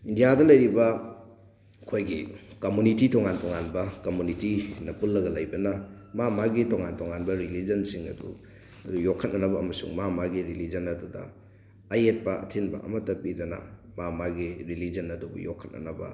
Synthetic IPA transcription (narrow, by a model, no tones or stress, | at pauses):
indijadɐlɐjɾibɐ | kʰojɡikɐmunititʰoŋantoŋanbɐkɐmunitinɐpulːɐɡɐlɐjbɐnɐ | mamaɡitoŋantoŋanbɐɾilid͡ʒɐnsiŋɐ̰dṵ | ɐdujokʰːɐt̚nɐnɐbɐːmɐsṵŋmamaɡiɾilid͡ʒɐnɐdudɐ̰ː | jet̚pɐɐ̰tʰinbɐ̰ʔɐ̰mɐtːɐpidɐnɐ̰mamaɡiɾilid͡ʒɐnɐdubɐ̰jo̰kʰːɐt̚nɐ̰nɐbɐ̰